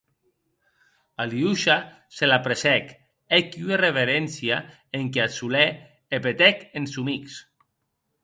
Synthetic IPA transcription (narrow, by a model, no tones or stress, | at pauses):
aliuʃa | selapɾesɛk | ekiuereβeɾensja | eŋkeasule | epet̪ɛkensumiks